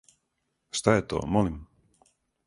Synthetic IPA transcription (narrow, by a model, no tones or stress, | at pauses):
st̪aɛt̪o̰ːmɔlim